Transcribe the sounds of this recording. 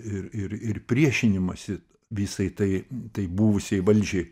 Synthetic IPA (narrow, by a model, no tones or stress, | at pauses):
ɪɾɪɾɪrpʲɾʲiɛʃʲɪnʲɪmɐsʲɪ | ʋʲiːsɐɪt̪ɐɪt̪ɐɪbuːʋʊsʲeɪʋɐlʲd͡ʒʲɛɪ